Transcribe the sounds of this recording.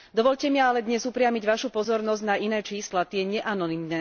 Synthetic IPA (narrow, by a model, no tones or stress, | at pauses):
d̪ɔʋɔʎcɛmɪaalɛd̪ɲɛzupɾɪamiɟʋaʃupɔzɔɾnɔzɟnaʔinɛːt͡ʃiːslat̪ɪɛɲɛʔanɔnimnɛː